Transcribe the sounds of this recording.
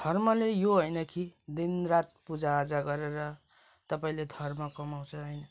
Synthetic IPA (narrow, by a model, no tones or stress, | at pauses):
d̪ʱʌrmʌlejoɦʌjnʌkʰid̪inrat̪̚pud͡zaːd͡zaɡʌɾeɾʌ | t̪ʌpaĩled̪ʱʌrmʌkʌmaw̃t͡sʰʌɦʌjnʌ